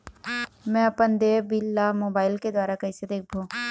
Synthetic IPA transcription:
mɛ̃ɐpənd̪eːbilːamoːbaːɪlked̪waːɾakɐɪsed̪eːk̚ʰbʱoː

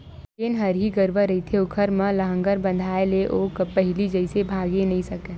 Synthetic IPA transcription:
kenɦɐɾɦiɡəɾʋəɾɐit̪ʰeʊkʰəɾmə̃lɐɦə̃ŋɡəɾbə̃nd̪ʱaːeleʔoːkpəɦɪlid͡ʒəɪsebʱaːɡenɐɦĩsɐkẽː

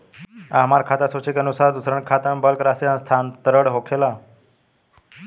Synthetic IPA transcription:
aɦmaɾkʰat̪asot͡ʃikənusaɾd̪usɾəɳkʰat̪ãmbəlkɾaseãnst̪ʰant̪əɾəɽɦokʰela

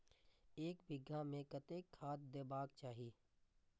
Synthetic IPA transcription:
eːkbɪɡʱːamẽkət̪eːkʰːaːt̪̚d̪eːbaːkt͡ʃaːɦiː

